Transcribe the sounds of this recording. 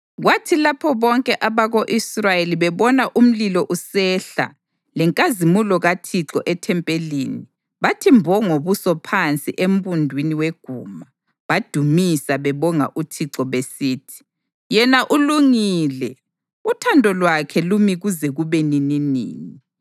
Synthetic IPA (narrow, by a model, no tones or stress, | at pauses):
ɣwatʰilapʰɔβɔŋkʼɛʔaβaɣoʔisrajeliβɛβɔnaʔum̩lilɔʔusɛɬa̰ | lɛŋkʼazimulɔɣatʰiǁɔʔɛtʰɛmpʼeliːni | βatʰimbʱɔŋoβusɔpʰant͡sʼiʔem̩βundʱwiniweɡ̥ʱuːma | βad̥ʱumisaβɛβɔŋa̰ʔutʰiǁɔβesiːtʰi̥ | jɛnaʔuluŋilɛ | utʰandʱɔlwakʰɛlumiɣuzɛɣuβenininḭːni